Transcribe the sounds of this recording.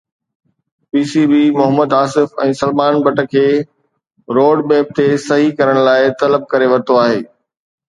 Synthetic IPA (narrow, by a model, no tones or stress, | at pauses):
piːsibiːmʊɦəməd̪aːsɪfɛ̃ːsɐlmaːnbɐʈə̆kʰeː | ɾoːɖbeːb̚t̪esɐɦikɐɾəɽ̃laːɪt̪ɐləb̚kɐɾeʋɐt̪oaːɦeː